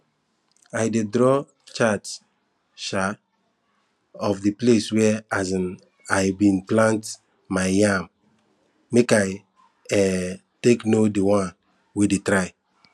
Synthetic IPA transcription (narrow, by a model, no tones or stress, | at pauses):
ajdedɾɔ | t͡ʃats | ʃa | ɔfdipleswɛazĩn | ajbĩnplãnt | majjamː | ekaj | ɛteknodiwãn | wedetɾaɪ